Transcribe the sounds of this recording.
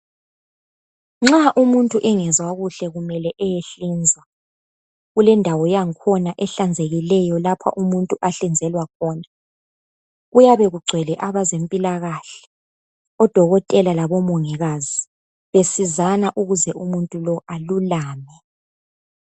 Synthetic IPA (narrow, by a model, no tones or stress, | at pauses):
ŋ͡ǁaʔumuntʼuʔɛŋɛzwaɣuɬɛɣumɛlɛʔɛjeɬind͡zʱwa | ɣulɛndʱawɔjaŋkʰɔnaʔɛɬand͡zʱeɣilɛjɔlapʰa̰ʔumuntʼuʔaɬind͡zʱɛlwakʰɔːna | ɣujaβɛɣuɡ͡ǀʱwɛlɛʔaβazempʼilaɣaɬɛ̥ | ɔd̥ʱɔɣɔtʼɛlalaβɔmɔŋɛɣazi | βesizanaʔuɣuzɛumuntʼulɔʔalulaːmɛ